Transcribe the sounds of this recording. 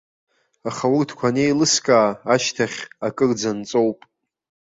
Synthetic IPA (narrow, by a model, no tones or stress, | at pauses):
aχawurdʰkʷʰanejlɨskʼaːaʃtʰaχʲakʼɨrd͡zant͡sʼowpʼ